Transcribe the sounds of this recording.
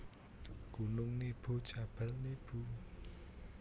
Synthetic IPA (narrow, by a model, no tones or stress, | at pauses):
ɡ̥unʊŋnib̥ṳt͡ʃab̥alnib̥u